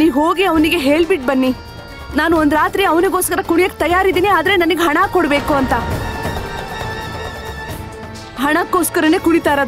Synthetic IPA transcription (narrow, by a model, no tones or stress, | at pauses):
niːɦo̞ːɡiɐʋniɡe̞ɦe̞ːɭbiʈ̚bɐnːi | naːnuond̪ɾaːt̪ɾiɐʋniɡoːskɐɾɐkuɳijɐkːet̪ɐjaːɾid̪iːniaːd̪ɐɾenɐnɐɡeɦɐɳaːkːɔɽbe̞ːkuɐnt̪ɐ | ɦɐɳɐkːoːskɐɾɐne̞ːkuɽit̪aːɾɐd̪